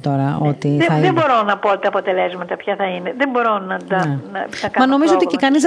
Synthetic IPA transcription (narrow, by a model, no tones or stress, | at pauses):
t̪o̞ɾɐo̞t̪iɐiebo̞ɾo̞nɐpoot̪it̪ɐːpot̪e̞le̞zmɐt̪ɐpçɐθɐineðembo̞ɾonɐt̪ɐenɐɐkamɐno̞mizoot̪icekɐniz̬